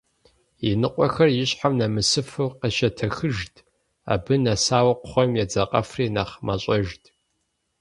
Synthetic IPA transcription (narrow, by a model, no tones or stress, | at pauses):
jɛnɨqʷʼɔxɐrjɪɕħamnɐmɨsɨfɨwqəʃɐtʰɐxɨʒtʰ | a̰ːbɨnɐsaːwɐqʷʊχʷɔmjɛd͡zɐqʼɐfriːnaːχmaɕʼɐʒtʰʼ